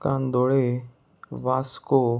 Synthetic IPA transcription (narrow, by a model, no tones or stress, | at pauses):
kãːnd̪oːɽe | ʋaːskoː